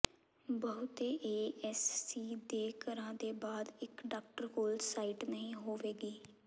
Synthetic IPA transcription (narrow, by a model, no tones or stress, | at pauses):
bəɦʊt̪eːʔeːɛsːiːd̪eːkəɾãːd̪eːbaːd̪ɪkɖaːk̚ʈəɾkoːlsaːiːʈnəɦĩːɦoːʋeːɡiː